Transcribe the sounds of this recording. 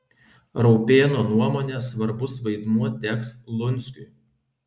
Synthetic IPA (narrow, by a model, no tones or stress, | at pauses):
ɾɔʊpʲeːnoːnuɔmoːnʲeːsʋɐɾbʊsʋɐɪd̪muɔt̪ʲækslˠʊnʲˑsʲkʲʊɪ